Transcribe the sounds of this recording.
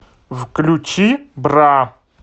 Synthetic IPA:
vklut͡ʃːibɾa

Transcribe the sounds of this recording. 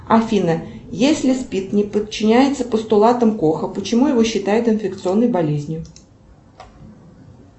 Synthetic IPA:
ɐfʲinə | jesʲlʲɪspʲit̪nʲɪpət͡ɕːɪnʲæjɪt̪səpəst̪ʊlˠat̪əmko̞xəpət͡ɕɪmujɪvoɕːɪt̪ajʊt̪ɨnfʲɪkt̪sɨo̞nːəjbɐlʲezʲnʲjʊ

